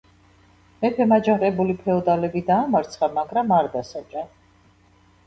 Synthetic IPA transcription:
mɛpʰɛmad͡ʒaŋqʼɛbulipʰɛɔd̪alɛbid̪aːmaɾt̪sʰχamaɡɾamaɾd̪asat͡ʃʼa

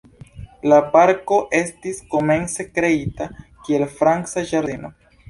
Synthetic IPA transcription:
lapaɾko̞ʔe̞stisko̞me̞nse̞kɾe̞itakie̞lfɾant͡sad͡ʒaɾdino̞̰

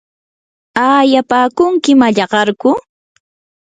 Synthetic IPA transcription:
aːjapaːkʊŋkɪmaʎɑɢɑɾkʊ

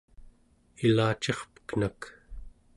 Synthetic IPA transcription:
ilaːt͡ʃe̞χpə̥knak

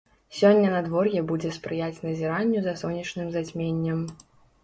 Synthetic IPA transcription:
sʲɔnʲːɐnɐd̪vɔrjɛbud͡zʲɛspɾɨjat͡sʲnɐzʲɛɾanʲːuzɐsɔnʲːɐt͡ʂnɨmzat͡sʲmʲenʲːɐm

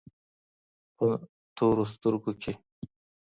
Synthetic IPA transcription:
pə | t̪ʰoɾost̪ʊɾɡokʰe

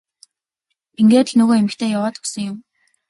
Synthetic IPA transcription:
iŋɡeːt̪ə̆ɮnɵɣoːemɘ̆kt̪ʰeːjawaːt̪ɵsɵ̆ŋjʊm

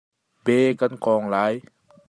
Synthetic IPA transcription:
beːkankɔːŋlaːj

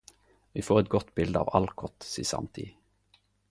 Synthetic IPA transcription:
ʋiːfoːʁɛt̪̚ɡɔt̪bɪld̪əɑ̰ːʋɑlkʰɔt̪sḭːsɑ̰mt̪ʰḭː

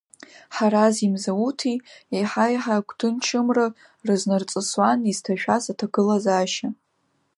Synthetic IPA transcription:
ħaɾazimzautʰiejħajħaːkʷʰtʰɨnt͡ʃʰɨmrɨ | rɨznɨrt͡sʼɨswaniz̥tʰaʃᶣasatʰaɡɨlazaːʃa

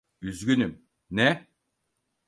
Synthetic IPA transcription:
yzɡynym | nɛ

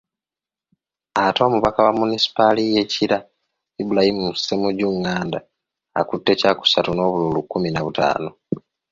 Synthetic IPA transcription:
ato̞ːmuβakawamunisi̥palijecʰiɾa | ibulahimuusemuɟuŋːaːnda̰ː | kutːe̞caːku̥satuno̞ːβulolukːuminaβuta̰ːno̞

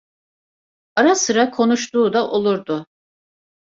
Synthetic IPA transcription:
aɾasɯɾakʰo̞nuʃt̪ʰuːd̪aʔo̞lˠuɾd̪ʊ

